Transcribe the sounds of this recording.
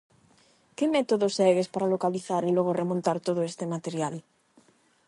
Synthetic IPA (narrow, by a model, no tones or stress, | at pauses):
kɪmɛt̪oðosɛɣespaɾalokaliθaɾelɔɣ̞oremõnt̪aɾt̪oð̞oest̪emat̪eɾjal